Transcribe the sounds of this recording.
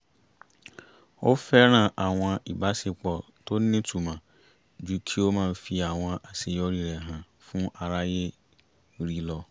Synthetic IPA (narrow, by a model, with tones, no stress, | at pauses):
o˦fɛ˦nã˨ʔa˨wʊ̃˨a˨ʔi˨ba˦sɪ˨k͡pɔ˨ | tʰo˦nː˦ɪ̃˦tʰu˨mã˨ | d͡ʑu˨kʰi˦o˦mã˨fi˨a˨wʊ̃˨ã˨ʔa˨sɪ˨jɔ˦ɾi˨ɾɛ˨ɦã˨ | fʊ̃˦ʔa˨ɾa˦jɛ˦ | ɾi˨lɔ˨